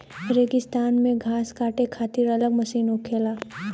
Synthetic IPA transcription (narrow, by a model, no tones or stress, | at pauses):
əɾeːɡɪst̪aːnmẽɡʱaːskaːʈekʰaːt̪ɪɾɐləɡmɐsiːnõkʰeːlaː